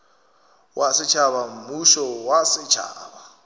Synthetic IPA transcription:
wʔasɪt͡ʃʰaβam̩muʃɔwasɪt͡ʃʰa̰ːba

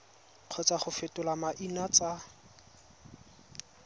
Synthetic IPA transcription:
q͡χʰɔt͡saχʊfɪtʼʊlamaʔinat͡sa

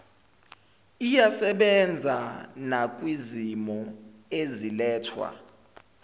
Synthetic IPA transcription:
ijasɛɓɛnd͡zʱanak̬ʼwizimɔezilɛːtʰwa̰

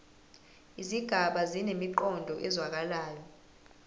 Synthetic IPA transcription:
iziɡ̥ʱaɓazinemiǃɔndʱɔʔɛzwak̬alaːjɔ

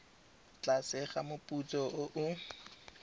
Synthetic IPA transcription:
t͡ɬasɪχamʊpʼut͡sɔʔʊʔʊ

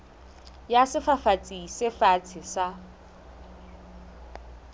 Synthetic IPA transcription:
jasɪfafat͡sʼisɪfat͡sʰɪsa

